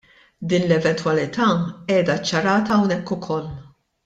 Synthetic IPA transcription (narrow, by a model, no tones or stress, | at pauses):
d̪iːnlɛvɛnt̪wɐlɪt̪ʰɐːɛːd̪ɐt͡ʃːɐɾɐːt̪ɐːwnɛkːʊkʰɔlː